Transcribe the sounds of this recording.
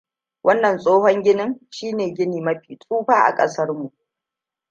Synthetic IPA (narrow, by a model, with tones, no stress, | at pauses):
wʔɐ˦nːɐ˨nsʼoː˦ɦɔ˦ŋɡʲɪ˦nɪ˦ŋʃiː˦neː˨ɡʲɪ˦niː˨mɐ˦ɸiː˨t͡sʼuː˦ɸaː˦ʔa̰˨kʼɐ̰˦sɐ˦rmu˨ʔ